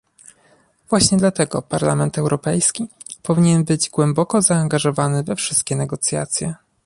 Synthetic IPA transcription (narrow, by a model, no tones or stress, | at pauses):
vwaɕɲɛd̪lat̪ɛɡɔpaɾlamɛnt̪ɛwɾɔpɛjskʲi | pɔvʲiɲɛnbɘd͡ʑɡwɛmbɔkɔzaːŋɡaʐɔvanɘvɛfʂɘst̪̚kʲɛnɛɡɔt̪sʲja̰t̪sʲjɛ